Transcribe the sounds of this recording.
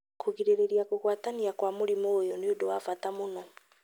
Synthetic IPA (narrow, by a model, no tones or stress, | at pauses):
kʰuɣiɾeɾeɾiakuɣwaːtaniakwamuɾimoːjɔniodowafatamonɔ